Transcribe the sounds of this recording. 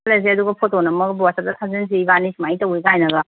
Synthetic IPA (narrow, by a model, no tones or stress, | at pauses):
las̬eɐduɡɐpʰotːonɐmɐɡbiwasap̚dɐtʰazins̬iːbanisimajitɐwiɡajnɐɡɐ